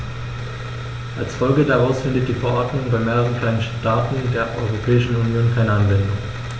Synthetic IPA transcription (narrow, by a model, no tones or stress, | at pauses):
ʔalsfɔlɡədaʁaʊsfɪndət̚d̥iːfɛɐʔɔɐdnʊŋbaɪmeːʁəʁənkl̥aɪnəʃtaːtn̩deːɐʔɔʏʁopʰɛːɪʃn̩unjoːnkʰaɪnəanvɛndʊŋ